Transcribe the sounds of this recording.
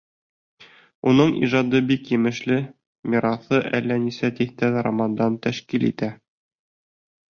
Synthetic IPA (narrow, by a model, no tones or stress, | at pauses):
unɤɴḭʒɑd̪ɤbikjɘ̆mɘ̆ʃlɘ | mʲiɾɑθɤʔælːænisæt̪iht̪ænɾɑ̰mɑnd̪ɑnt̪æʃkilḭt̪æ